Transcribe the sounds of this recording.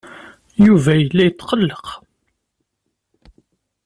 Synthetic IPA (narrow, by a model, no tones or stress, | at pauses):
juvæjəlːæjət͡sːqəlːəq